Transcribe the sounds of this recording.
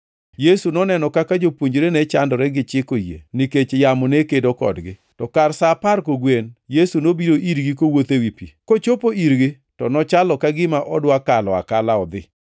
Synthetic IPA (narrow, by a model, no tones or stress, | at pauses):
jesunɔnɛnɔkakad͡ʒopwoɲd͡ʒɾenɛt͡ʃandɔɾɛɡɪt͡ʃɪkojḛniket͡ʃjamɔnekedokɔ̰dɡɪtɔkarsapaɾkoɡwenjesunobiɾoʔiɾɡik̬owot̪ewipḭkot͡ʃopoʔiɾɡɪ | tɔnɔt͡ʃalɔkaɡɪmaʔɔdwakalɔa̰kalaɔd̪ɪ̰